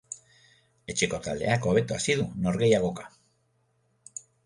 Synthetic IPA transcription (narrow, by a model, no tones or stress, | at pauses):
e̞t͡ʃe̞ko̞t̪ald̪ḛako̞β̞e̞t̪uasiðuno̞ɾɣe̞jaɣ̞o̞kḁ